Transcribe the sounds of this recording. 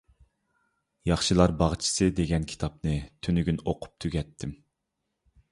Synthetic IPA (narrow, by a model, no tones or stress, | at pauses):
jɑχʃɨlˠɑɾbɑʁt͡ʃʰi̥sɨd̪eɡʲɛnkʲʰi̥t̪ʰɑp̚nɨt̪ʰynyɡʲynoqʰʊ̥p̚t̪ʰyɡʲɛt̪ʰːɪm